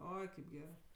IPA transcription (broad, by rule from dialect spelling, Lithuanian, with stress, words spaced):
ˈoːɪ kɐɪp ˈɡʲæːrɜ